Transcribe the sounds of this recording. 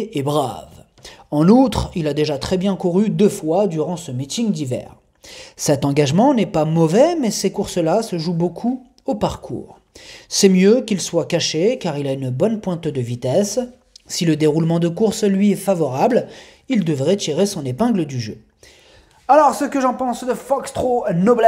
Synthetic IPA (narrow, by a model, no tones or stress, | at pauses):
ebʁav | ɑ̃nut̪χilad̪eʒat̪χɛbjɛ̃kuʁyd̪øfwad̪yʁɑ̃səmit̪iŋd̪ivɛ̰ːʁ | sɛt̪ɑ̃ɡaʒmɑ̃nɛpamɔvɛmɛsekuʁsəlasəʒubokʰu | opaʁkʰṵːʁ | sɛmjøkilswakaʃekaʁilaynbɔnpwɛ̃t̪d̪əvit̪ɛsː | iləd̪eʁulmɑ̃d̪əkuʁslɥiɛfavɔʁabl | ild̪əvʁɛt̪iʁesɔ̃nepɛ̃ɡləd̪yʒø | alɔʁsəkəʒɑ̃pɑ̃sd̪əfɔkst̪χonɔblɛ